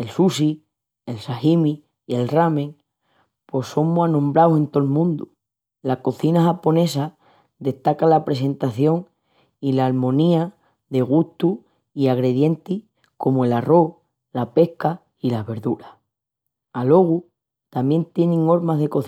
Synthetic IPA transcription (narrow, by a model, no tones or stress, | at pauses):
e̞lsusi | e̞lsahimiː | e̞lramẽ̞ŋ | pwe̞so̞ŋmoanõmbɾawsẽ̞nt̪o̞lmũnd̪u | lako̞θinaxapo̞ne̞sa | ðe̞ht̪akalapɾe̞se̞nt̪aθjo̞ŋ | ilaːlmõ̞nia | ðe̞ɣ̞uht̪u | iaɣɾe̞ðje̞nt̪i | ko̞moe̞laro̞ | lape̞hka | ilaβe̞ɾðuɾa | alo̞ɣ̞u | t̪amje̞nt̪jenẽŋo̞ɾmazðeko̞θ